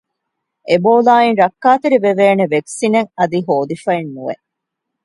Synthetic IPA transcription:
ʔeboːlaːinɾɐkːaːt̪eɾiʋeʋeːneʋeksineŋɐd̪iɦoːd̪ifɐinːuʋḛ

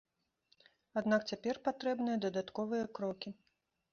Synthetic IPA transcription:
ad̪nakt͡sʲapʲɛrpat̪ɾɛbnɨjɐd̪ɐd̪at̪kɔvɨjɐkɾɔkʲi

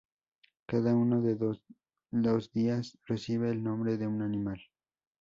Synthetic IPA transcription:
kaðaunoðe | d̪osd̪iasresiβeːlnõ̞mbɾeðeunanĩmal

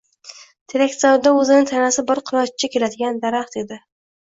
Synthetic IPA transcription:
t̪ʰelek̚ʲt̪saɾd̪aɵzɪnɪŋt̪ʰanasɪbɪɾqʰɨɾˠɒt͡ʃt͡ʃʰakʲelad̪ɪɡʲand̪aɾaχt̪ed̪ɪ

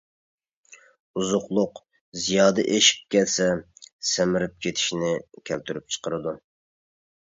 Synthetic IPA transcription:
uzʊqlˠʊq | zijɑːd̪ɨʔeʃi̥p̚kʲɛlsɛsɛmɪɾɪp̚kʲʰet̪ʰɪ̥ʃinɪkʲʰɛlt̪ʰyɾyp̚t͡ʃʰə̥qəɾɨd̪u

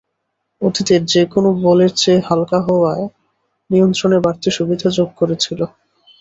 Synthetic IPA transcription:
ot̪it̪eɾd͡ʑekonobɔleɾt͡ɕehalkaɦɔae | nijont̪ɾoneɾbaɾt̪ʰiʃubid̪ʱad͡ʑoɡ̚koɾet͡ɕʰilo

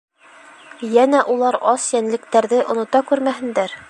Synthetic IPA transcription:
jænæʔulˠɑɾɑsjænlɘ̆kt̪æɾðɘʔŏnŏt̪ɑkʉɾmæɦɘ̆nd̪æɾ

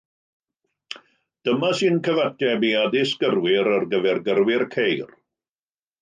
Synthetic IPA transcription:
d̥əmasɨnkʰəvatʰɛbiadɪsɡ̥ərwɪɾərɡəvɛrɡərwɪrkʰejr

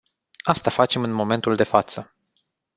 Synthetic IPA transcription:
ast̪afat͡ʃe̞mɨnmo̞me̞nt̪uld̪e̞fat̪sə

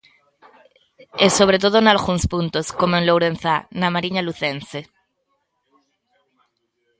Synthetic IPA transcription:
eso̞β̞ɾet̪̬oðonalɣunspunt̪oskomoẽnlowɾenθanamaɾiɲaluθense

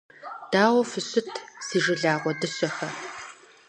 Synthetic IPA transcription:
d̥aːwɔfɨɕɪtʰsiːʒɪɮaːʁʷɔdɨɕɐxɐ

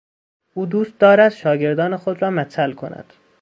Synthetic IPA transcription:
ʔuːd̪uːst̪̚d̪ɒːɾæd̪ʃɒːɟe̞ɾd̪ɒːnexod̪ɾɒːmæt̪ʰælkʰonʔæ̰d̪̥

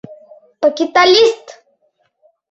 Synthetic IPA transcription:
pəkit̪alist̪

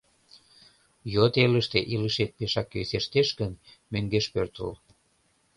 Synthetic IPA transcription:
jot̪eləʃt̪eʔiləʃet̪̚peʃɑkːeseʃt̪eʃɡənmøŋɡeʃpørt̪ə̰l

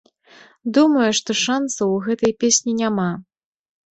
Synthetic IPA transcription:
d̪umɐjuʂt̪ɔʂansɐwɣɛt̪ɐjpʲesʲnʲinʲama

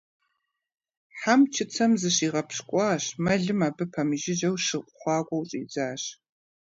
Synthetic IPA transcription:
ħamt͡ʃʰɪt͡sʰɐmzɨɕiːʁɐpɕkʷʼɑːɕmɐɮɨmaːbɨpʰɐmɨʒɪʑɐwʃɨqʷʼχʷɑːɡʷʼɔwɕʼḭːd͡zaːɕ

